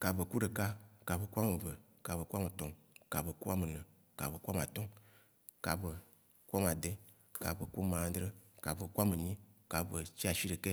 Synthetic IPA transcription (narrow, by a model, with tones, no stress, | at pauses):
ka˨be˨ku˦ɖe˨ka˦ka˨be˨ku˦a˦me˨ve˨ | ka˨βe˨ku˦a˦me˨t̪ɔ̃˨ | ka˨be˨ku˦a˦me˨nẽ˨ | ka̰˨βe˨ku˦a˦m˨a˨t̪ɔ˦ | ka˨be˨ | ku˦a˦m˨a˨d̪e˦ | ka̰˨be˨ku˦mã˨˦d̪ɾe˦ka˨be˨ku˦a˦me˨ɲĩ˦ka˨be˨t͡ɕi˦a˨ʃi˦ɖe˨ke˦